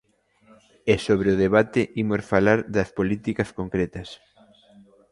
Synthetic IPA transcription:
esoβɾeʊðeβat̪ɪʔimosfalaɾðɐspolit̪ikɐskoŋkɾet̪ɐs

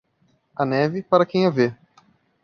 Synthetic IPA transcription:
ɐnɛvɪpaɾɐkẽj̃ave

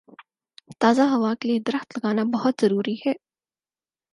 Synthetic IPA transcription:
t̪aːzaɦɐʋakelied̪ɐɾəxt̪lɐɡaːnabɐɦʊt̪z̥ɐɾuːɾihɛː

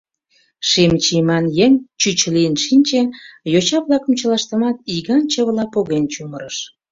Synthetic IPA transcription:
ʃimt͡ɕimɑnjeŋt͡ɕyt͡ɕəliənʃinʲt͡ɕĕjot͡ɕɑβlɑkə̆mt͡ɕə̆lɑʃt̪əmɑt̪iɣɑnt͡ɕəβlɑpoɣent͡ɕuməɾəʃ

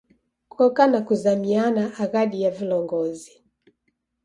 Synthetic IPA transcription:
kɔkanakuzamianaʔːɣaɗijavilɔŋɡɔzi

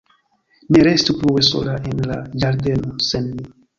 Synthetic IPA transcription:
neɾe̞stupluweso̞̰laʔenla̰d͡ʒaɾde̞nosenmi

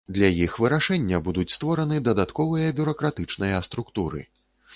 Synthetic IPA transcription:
d̪lʲɐjixvɨɾaʂɛnʲːɐbud̪ut͡sʲst̪vɔɾɐnɨd̪ɐd̪at̪kɔvɨjɐbʲuɾɐkɾat̪ɨt͡ʂnɨjɐst̪ɾukt̪uɾɨ̰

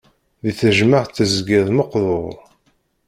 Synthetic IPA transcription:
ðiθəʒməʁθəzɡɪðˤməqðˤoʁ

